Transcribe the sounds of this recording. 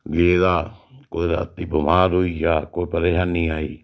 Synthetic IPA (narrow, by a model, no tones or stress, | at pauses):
ɡeːd̪aːkoːiɾa̰ːt̪iːbəmaːɾɦoiːd͡ʒaːkoːipəɾeːʃaːnːiːaːiː